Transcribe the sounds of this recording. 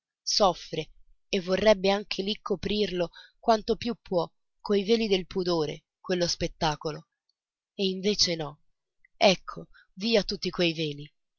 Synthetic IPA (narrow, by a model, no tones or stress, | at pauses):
sɔfːɾeː | vːorːɛbːeaŋk̟ʰelikʰːopɾirlokwant̪opjupːwɔ | kːojveːlid̪elpud̪oːɾḛ | kwelːospet̪ːaːkolo | eiɱveːt͡ʃenɔ | ɛkʰːo | viːat̪ːut̪ːikwejveːli